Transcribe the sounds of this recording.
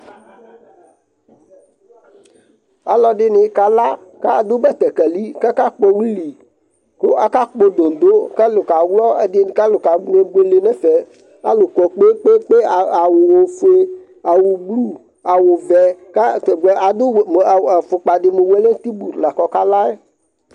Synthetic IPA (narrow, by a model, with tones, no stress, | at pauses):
a̰˨lɔ˨ɖɪ˦nɪ˨˦ka˨la˦ | ka˦a˨d̪ʊ˦bɛ˦t̪ɛ˨kɛ˨li˦kɛ˦ka˦k͡po˦wi˦li˨ | kʊ˦ʔa˦ka˦k͡po˦d̪o˨n˨d̪o˦kɛ˦lʊ˨ka˨wlɔ˦e˦dɪ˦˨ka˦lʊ˨ka˨ɡe˦ɡe˦le˨nɛ˦fɛ˨ | a̰˦lʊ˨kɔ˨k͡pe˦k͡pe˦k͡pe˦˨a˨wʊ˨wo˨fe˦ | a˨wu˨ɡ͡blu˦ | a˨wʊ˨vɛ˨ka˦e˨ɡɛ˨ʔa˨d̪ʊ˦˨a˨fʊ˨k͡pa˨dɪ˨me˨we˦le˦t̪i˦bu˨ɾla˨kɔ˨ka˦la˦ɛ˦